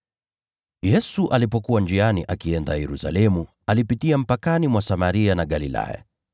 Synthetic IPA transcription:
jɛsuʔalipɔkuwand͡ʒianiʔakiɛndajɛɾusa̰lɛmu | alipitiam̩pakanimwasamaɾianaɠalila̰ja̰

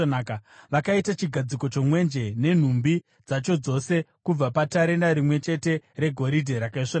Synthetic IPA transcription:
nakaʋakaitat͡ʃiɡʱad͡ziko̞t͡ʃo̞mwe̞nd͡ʒe̞ne̞n̤umbi | d͡zat͡ʃo̞d͡zo̞se̞kub͡vapataɾe̞naɾimwe̞t͡ʃe̞te̞ɾe̞ɡʱo̞ɾidʱeɾakaiʂon

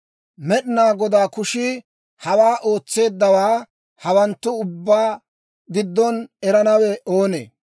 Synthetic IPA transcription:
mɛɗɪnaːɡɔd̪aːkʊʃɪ | hɐwaːʔo̞ːt͡sːe̞ːd̪ːɐwaː | hɐwɐnt̪ːʊʊbːaː | ɡɪd̪ːɔnɛɾɐnɐwɛʔo̞ːnḛː

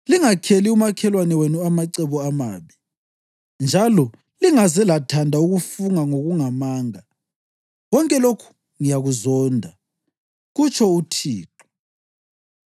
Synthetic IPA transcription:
liŋakʰeliumakʰɛlwanɛwenuamaǀɛβɔama̰ːβi | nd͡ʒʱalɔ | liŋazɛlatʰandʱauɣufuŋaŋoɣuŋamaːŋa | wɔŋkʼɛlokʰu̥ | ŋijaɣuzɔːndʱa | ɣut͡ʃʰʼɔutʰiːǃɔ̥

